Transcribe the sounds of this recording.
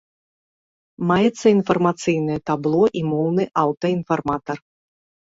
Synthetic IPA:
majɛt̪sːɐinfɐrmat̪sɨjnɨjɛt̪ablˠɔʔimɔwnɨʔawt̪ɐinfarmat̪ɐr

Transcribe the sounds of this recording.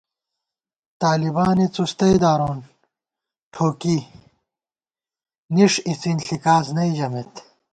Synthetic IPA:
t̪aːlibaːnit͡sust̪ɐjd̪aːɾoːn | ʈʰoːki | niʂit͡sinɬikaːsnɐid͡ʑɐmet̪

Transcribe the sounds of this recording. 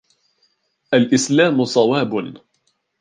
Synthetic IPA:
ʔalʔɪslaːmʊsˤɑwaːbn

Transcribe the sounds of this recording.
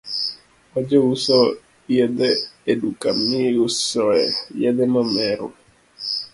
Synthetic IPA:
ɔd͡ʒɔusɔ | jɛdɛedukamiusɔɛ̰jɛdɛmamɛɾo̰

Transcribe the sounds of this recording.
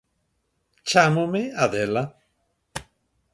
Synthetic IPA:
t͡ʃamomeaðela

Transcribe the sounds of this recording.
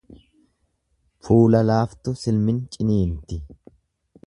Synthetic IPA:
fuːlɐlaːft̪ʊsɪlmɪnt͡ʃʼɪniːnt̪ɪ

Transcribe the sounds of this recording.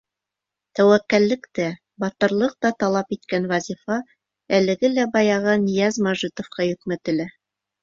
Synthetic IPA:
t̪æwækːælːɘ̆kt̪æ | bɑt̪ɤ̆ɾlˠɤq̚t̪ɑt̪ɑlˠɑpit̪̚kænwɑzʲifɑ | ælɘ̆ɡɘlæbɑjɑʁɤnĭjæzmɑʒit̪ŏfqɑjɵ̆k̚mɘt̪ɘ̆læ

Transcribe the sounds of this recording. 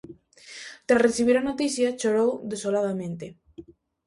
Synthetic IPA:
t̪ɾasreθiβ̞iɾanot̪iθjat͡ʃoɾowðesolaðamẽnt̪e

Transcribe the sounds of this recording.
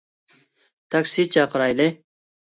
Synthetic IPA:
t̪ɐksit͡ɕaːqɾaːjle

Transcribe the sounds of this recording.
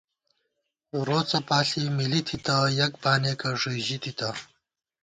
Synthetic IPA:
ɾoːt͡sɐpaːɬimilit̪ʰit̪ajɐkbaːneːkɐʐiːʑit̪ʰit̪ʰɐ

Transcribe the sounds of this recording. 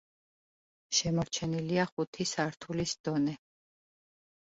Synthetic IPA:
ʃɛmɔɾt͡ʃʰɛniliaχut̪ʰisaɾt̪ʰulisd̪̥ɔnɛ

